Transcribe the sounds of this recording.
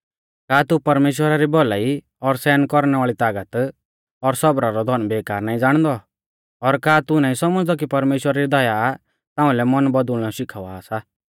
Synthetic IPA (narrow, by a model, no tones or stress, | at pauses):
kaːt̪upɐɾmeːʃ̬wəɾaɾibɔlaːi | ɔɾsɛːnkɔɾnɛʋaːɭit̪aːɡət̪ | ɔɾsɔbɾaɾɔd̪ʱɔnbeːkaːɾnaːĩd͡zaːɽ̃d̪ɔ | ɔɾkaːt̪unãːĩsɔməd͡zd̪ɔk̬ipɐɾmeːʃwəɾaɾid̪ɔja | t̪ãːʊ̃lɛmɔnbɔd̪ʊlnɔʃɪkʰaʋaːsa